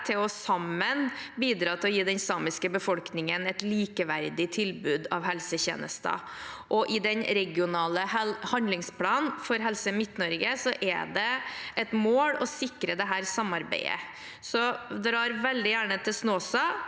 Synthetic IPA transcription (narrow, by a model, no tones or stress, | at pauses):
t̪ʰɪlɔsɑmːənbiːd̪ɾɑːt̪ʰɪlɔjiːd̪ɛnsɑːmɪskəbəfɔlknɪŋənɛt̪liːkəʋæɾd̪ɪt̪ʰɪlbʉːd̪ɑʋhɛlsəçḛːnə̰st̪ɑ̰ | ʔɔʔɪd̪ɛnɾɛɡɪʊnɑːləhɑnd̪lɪŋspʰlɑːnnfɔɾɦɛlsəmɪt̪nɔɾɡəsɔʔæ̰d̪ɛɛt̪moːɽɔsɪkɾəd̪ɛɦæːɾsɑmːɑɾbæ̰ɪə̰ | sɔd̪ɾɑːɾʋɛld̪ɪjæːɳət̪ʰɪlsnoːsɑ